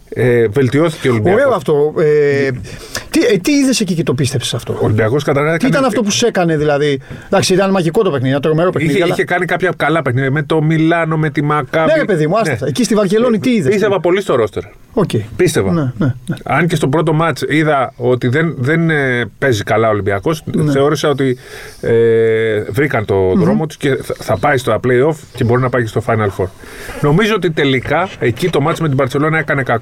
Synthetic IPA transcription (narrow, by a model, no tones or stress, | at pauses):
eve̞lt̪io̞θi̥ceolimbioɾe̞oɐft̪o̞e | t̪it̪iiðe̞se̞cicet̪o̞pist̪efse̥sɐft̪o̞̰olimbiɐɣo̞skɐt̪ɐɾɣɐðikt̪ɐit̪ɐnɐft̪o̞p̬use̞kɐne̞ðilɐðiðɐksiit̪ɐnemɐʝiko̞t̪o̞pexniðiɐnɐt̪ɾo̞me̞ɾo̞pexiiðiɐiɐçekɐnikɐpçɐkɐlɐpe̞xniðjɐme̞t̪o̞milɐno̞met̪imɐkɐneɾepe̞ðimuɐsesɐecist̪ivɐɾce̞lo̞nit̪iiðsist̪evɐpo̞list̪o̞ɾo̞st̪eɾ | oceipist̪e̞vɐnenɐɲce̞st̪o̞pɾo̞t̪̬o̞mɐt͡ʃiðɐo̞t̪iðe̞nðe̞npe̞zikɐlɐolimbiɐko̞sθe̞o̞ɾesɐo̞t̪ievɾikɐnt̪o̞ðɾo̞mot̪u̥sce̞θɐpɐjst̪oplejo̞fce̞bo̞ɾinɐpɐjce̞st̪o̞fɐjnɐlfo̞ɾ | no̞mizoot̪it̪e̞likɐe̞cit̪o̞mɐt͡sme̞t̪̬ibɐɾt͡sse̞lo̞nɐe̞kɐne̞kɐk